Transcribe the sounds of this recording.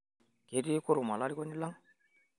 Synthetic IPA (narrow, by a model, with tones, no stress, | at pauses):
ke˨ti˦ku˦ɾu˨ma˨la˦li˦ko˦ni˦la˦ŋ